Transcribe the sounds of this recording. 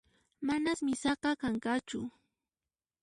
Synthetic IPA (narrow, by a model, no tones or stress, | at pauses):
manasmɪsɑqɑkaŋkat͡ʃʊ